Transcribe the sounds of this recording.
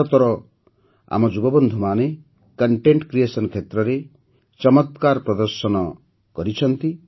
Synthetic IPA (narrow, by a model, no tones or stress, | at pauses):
ɔt̪ɔɾɔ | a̰mɔd͡ʒubɔbɔnd̪ʱumane | kɔɳʈeɳʈkɾiesɔnkʰet̪ɾɔɾe | t͡ʃɔmɔt̪kaɾpɾɔd̪ɔɾsɔnɔ | kɔɾit͡ʃʰɔnt̪i